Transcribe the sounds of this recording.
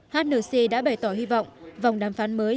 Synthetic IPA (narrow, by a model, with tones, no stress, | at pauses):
haː˦˥t̚nɨː˧˩si˧ɗa̰ː˧˥ɓa˨˩jt̪ɔ˧˩hi˧vɔ̰˧˨wŋ͡mʔva˨˩wŋ͡mɗaː˨˧˩mfaː˨˦nməː˨˦j